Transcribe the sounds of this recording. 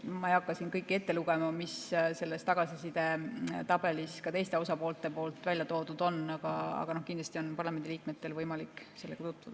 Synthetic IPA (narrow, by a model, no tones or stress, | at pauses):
mɑejɑkˑːɑsinkɤjkːe̞t̪ːe̞luɡ̥e̞mɑmisse̞lːest̪ɑɡ̥ɑsisid̪e̞t̪ɑb̥e̞liskɑt̪e̞jst̪e̞o̞sɑpo̞ːlt̪ːˑe̞po̞ːlt̪ˑvælʲjɑt̪o̞ːd̪ud̪̥o̞nɑɡ̥ɑɑ̰ɡ̥ɑno̞hkind̪lɑsʲt̪io̞npɑrlɑme̞nd̪iliːk̚me̞t̪ːe̞lvɤjmɑlikːˑse̞lːeɡ̥ɑt̪ut̪ːˑvud̥̪ɑ